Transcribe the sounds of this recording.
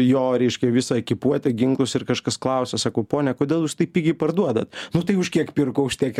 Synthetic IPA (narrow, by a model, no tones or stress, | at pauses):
joːɾʲɛɪʃʲkʲɛʋʲɪsɑkʲɪpuɔt̪ʲɛɡʲɪŋklˠʊsɪrkɐʃkɐsklˠɐʊsʲɛsɑːkɐʊpoːnʲɛkoːdʲeːlˠjuːst̪ɐɪpʲɪɡʲɪpɐrd̪uɔd̪ɐt̪nʊt̪ɐɪʊʃkʲiɛkpʲɪrkoʊʃt̪ʲiɛk